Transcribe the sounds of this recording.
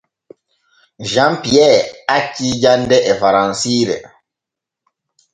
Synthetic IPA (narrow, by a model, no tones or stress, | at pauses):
ʒãmpiɛacːid͡ʒandɛʔɛfaɾãnsiɾɛ̰